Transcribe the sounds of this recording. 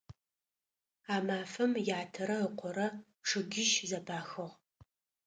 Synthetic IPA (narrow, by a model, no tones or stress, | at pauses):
aːmaːfɐmjaːtʰɐɾɐəqʷʰɔɾɐ | ʂɨɡʲɪʃzɐbaːxɨʁ